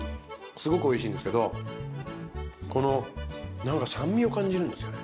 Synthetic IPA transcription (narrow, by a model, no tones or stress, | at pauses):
sɨɡo̞kɯ̟o̞iɕĩːnd̪e̞sɨ̥ke̞d̪o̞ | ko̞no̞nãŋkasãmːʲio̞kãɲ̟d͡ʑiɾɯ̟̃nd̪esɨjone